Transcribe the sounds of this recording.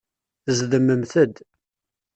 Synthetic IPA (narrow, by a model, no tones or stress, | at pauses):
zðəmːəmθəd̪